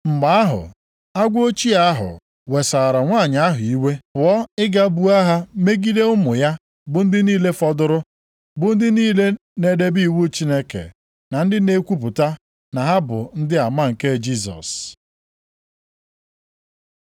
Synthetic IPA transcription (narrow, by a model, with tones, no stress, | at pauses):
m̩˨ma˨a˦ɦʊ̰˨ | a˦ɡʷo˦t͡ʃi˦a˦ɦʊ̰˨ | we˨sa˨ɾa˨ŋʷa˦˨ɲ˨a˦ɦʊ˨i˦we˦pʊ˨ɔ˦ɪ˦ɡa˦bu˦a˦ɦa˦me˦ɡi˦de˦ʊ˦mʊ˨ja˦ | bʊ˨n̩˦dɪ˦niː˦le˦fɔ˦dʊ˦ɾʊ˦ | bʊ˨n̩˦dɪ˦niː˦le˦ | ne˨de˦bi˦˨wu˦t͡ʃi˦ne˦kḛ˨ | na˨n̩˦dɪ˦ne˦kʷu˦p̬ʊ˨ta˦ | na˨ɦa˦bʊ̰˨n̩˦dɪ˦a˨ma˦ŋ̩˨ke˦d͡ʒi˦˨s̬ɔ̰˨s